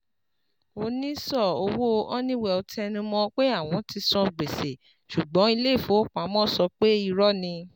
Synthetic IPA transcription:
o˧nĩ˦sɔ˦˨o˧wo˦˧ʔɔ˦nĩ˦wɛ˧˨o˧tɛ˧nũ˧mɔ̃˧˦k͡pe˦a˦˨w̃ɔ̃˨˧˦ti˧sɔ̃˧ɡ͡be˨se˨ | ʃu˨ɡ͡bɔ̃˨˦i˧le˦˨fũ˨˦o˦˨k͡pa˨˦mɔ̃˦˨sɔ˧k͡pe˦i˦˧ɾɔ˦nĩ˧

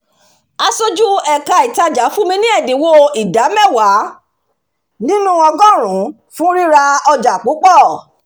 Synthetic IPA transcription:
a˧so˦d͡ʒu˦ɛ˨ka˧i˨ta˧d͡ʒa˨˦fu˦mĩ˧nĩ˦ɛ˦˨dẽ˨wo˦i˨da˨˦mɛ˦˨wa˨˦ | nĩ˦nũ˦ɔ̃˧ɡɔ̃˦˨ɾ̃ũ˨˦ | fũ˦ɾi˦ɾa˧ɔ˧d͡ʒa˨k͡po˨˦k͡pɔ˦˨

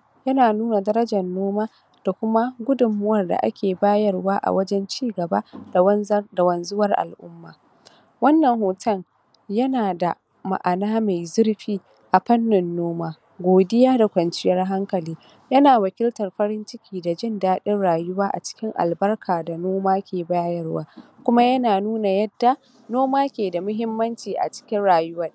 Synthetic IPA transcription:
jɐ˦naː˨nuː˦na˨dɐ˦ɾɐ˦d͡ʒɐ˨nːoː˦maː˦ | d̥a˨kʷʊ˦ma˦ɡʷʊ˦dʊ˨mːʊ˦wɐ˦˨rda̰˨ʔa̰˦kʲeː˨baː˦jɐ˦˨rwaː˦ʔa̰˨wɐ˦d͡ʒɛ˦nt͡ʃiː˦ɡɐ˨ba˦dda˨wɐ˨nzʊ˦wɐ˦rʔa̰˨lʔʊ˦mːaː˨ | wɐ˦nːɐ˨ŋhoː˨tɐ˦ŋ | jɐ˦naː˨da˨ | ma̰˨ʔa˨naː˦ma˨jzʊ˦rɸiː˦ | ʔa˨ɸɐ˦nːɪ˨nːoː˦maː˦ | ɡʷoː˨dɪ˦jaː˦da˨kʷɐ˨nt͡ʃɪ˦jɐ˦rɦa˦ŋkɐ˨liː˦ | jɐ˦naː˨wɐ˨kʲɪ˦ltɐ˨rɸɐ˦ɾɪ˦nt͡ʃɪ˦kʲʰiː˨da˨d͡ʒɪ˦ndaː˦ɗɪ˦nɽaː˨jʊ˦waː˦ʔa̰˨t͡ʃɪ̥˦kʲɪ˦ŋʔa̰˨lbɐ˦rkʰaː˨da˨noː˦maː˦kʲeː˨ba˦jɐ˦rwaː˦kʷʊ˦ma˦jɐ˦naː˨nuː˦na˨jɐ˦dːa˨ | noː˦maː˦kʲeː˨da˨mʊ˦ɦɪ˦mːɐ˦nt͡ʃiː˨ʔa̰˨t͡ʃɪ̥˦kʲɪ˦nɽaː˨jʊ˦wɐ˦

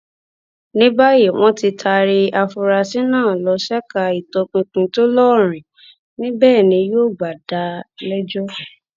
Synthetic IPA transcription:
nĩ˦ba˦je˨w̃ɔ̃˦ti˧tʰa˧ɾi˧a˧fu˧ɾa˧si˦nãː˦˨lɔ˨˧˦ʃɛ˦ka˧i˨tɔ˧kũ˧kũ˧to˦lɔ˦˨ɾ̃ĩ˨ | nĩ˦bɛː˦˨nĩ˧jo˦˨ɡ͡ba˨da˧lɛ˦d͡ʒɔ˦

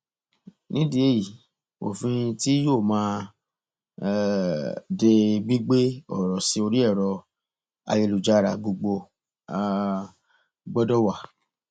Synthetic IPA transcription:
nĩ˦di˦e˦˨ji˨ | o̰˨fĩ˧ti˦jo˦˨mãː˦˨ | de˧ɡ͡bi˦ɡ͡be˦ɔ̰˦˨ɾɔ˨si˧˦o˧ɾi˦ɛ˦˨ɾɔ˧ | a̰˧je˧lu˨d͡ʒa˦ɾa˧˨ɡ͡bo˧ɡ͡bo˧˨˧ | ɡ͡bɔ˦dɔ˦wa˦˨

